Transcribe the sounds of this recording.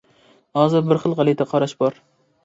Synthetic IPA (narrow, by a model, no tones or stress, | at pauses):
hɒzɪɾbɪɾχɨlˠʁɑlˠit̪ʰaqʰɑɾaʃbɒɾ